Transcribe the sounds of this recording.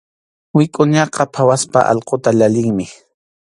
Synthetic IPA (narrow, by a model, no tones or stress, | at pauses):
wɪkʼʊɲɑqɑpʰawaspa̰ʔɑ̰lqot̪aʎalɪŋmɪ